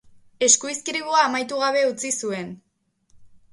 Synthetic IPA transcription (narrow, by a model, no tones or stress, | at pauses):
e̞skuiskiɾiβuaːmajt̪uɣ̞aβe̞ut͡sisue̞n